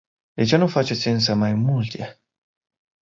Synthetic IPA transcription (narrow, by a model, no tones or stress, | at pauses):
d̪e̞t͡ʃe̞nufat͡ʃe̞t̪sʲɨns̬əmajmult̪e